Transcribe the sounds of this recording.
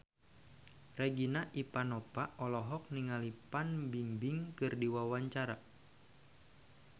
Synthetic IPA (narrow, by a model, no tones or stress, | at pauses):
reɡinaʔipanɔpaʔɔlɔɦɔk̚niŋalipanbiŋbiŋkɨrdiwawaɲt͡ʃaɾa